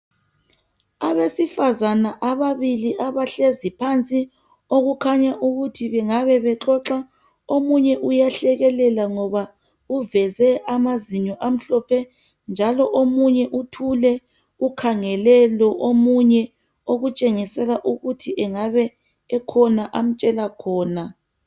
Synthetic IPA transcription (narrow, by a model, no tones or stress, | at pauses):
aβesifazanaʔaβaβiliʔaβaɬezipʰant͡sʼi | oɣukʰaɲaʔuɣutʰiβɛŋaβɛβɛǁɔǁa | omuɲɛʔujaɬɛɣɛlɛlaŋɔβa | uvɛzɛʔamaziɲɔʔam̩ɬɔpʰɛ | nd͡ʒʱalɔʔomuɲɛʔutʰulɛ | ukʰaŋɛlɛlɔʔomuɲɛ | oɣut͡ʃʼeŋisɛlaʔuɣutʰiʔɛŋaβɛː | kʰɔnaʔam̩t͡ʃʼɛlakʰɔːna